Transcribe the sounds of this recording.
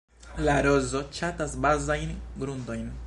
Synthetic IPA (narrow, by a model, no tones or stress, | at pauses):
laɾo̞zo̞t͡ʃatasbazajnɡɾundo̞jn